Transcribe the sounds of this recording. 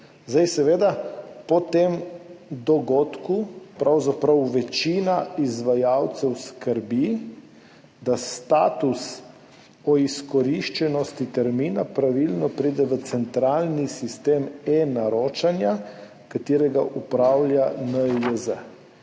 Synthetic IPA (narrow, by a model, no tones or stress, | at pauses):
zd̪ajsɛʋeːd̪apɔt̪emd̪ɔɡoːt̪kupɾawzapɾawʋɛt͡ʃiːnaizʋajawt̪sɛwskəɾbi | d̪ast̪aːt̪us | ɔiskɔɾiʃt͡ʃɛnɔst̪it̪ɛɾmiːnapɾaʋilnɔpɾid̪ɛʋət̪sɛnt̪ɾaːlnisist̪eːmenaɾoːt͡ʃanja | kat̪iːɾɛɡaʔupɾawljanəjəzə